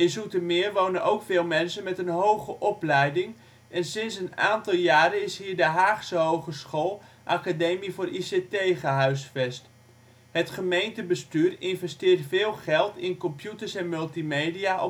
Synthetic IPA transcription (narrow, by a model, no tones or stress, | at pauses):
ɪnsutəmɪːrʋownənʔowkfɪːlˠmɛnsənmɛtənɦowχəʔɔplɛjdɪŋ | ɛnsɪnsəna̰ːntɑlˠjaːɾənɪsɦiːɹdəɦaːχsəɦowχəsχolˠ | ʔakadejmivʊːrʔisetejχəɦœɥsfɛst | hətχəmejntəbəstyːrɪnvɛstɪːrtfɪːlˠχɛlˠtɪnkɔmpjutəɹsɛnmɵlˠtimejdiaʔɔ